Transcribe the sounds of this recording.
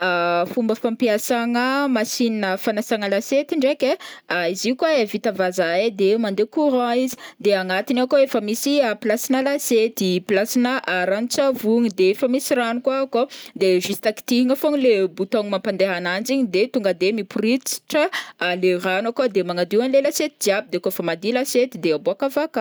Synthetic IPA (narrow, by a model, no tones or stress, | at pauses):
afumbəfampiasaŋəmasininəfanasaŋəlaset̪iɳɖ͡ʐekʲeaiziukwaevit̪avazaed̪emand̪ekuɾãizi̥d̪eaŋat̪inakoefəmisiapilasinəlaset̪iplasinəʔɾanut͡savuŋid̪eefəmisiranukwakod̪eʒist̪aki̥t̪iɦiŋəfoŋilebut̪oŋimampand̪eɦanand͡ziɲid̪et̪uŋɡad̪emipurit͡si̥ʈ͡ʂəːleranakwad̪emaŋad̪ianlelaset̪id͡ʒiabid̪ekoefəmad̪ilaset̪id̪eaboakavaka